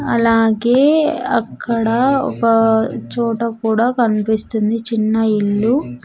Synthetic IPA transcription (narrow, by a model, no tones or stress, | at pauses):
ɐlaːɡeːɐ̰kʰːɐɽɐɔ̰kɐt͡ʃɔːʈɐkuːɽaːkɐnipist̪und̪it͡ʃinːɐiɭːu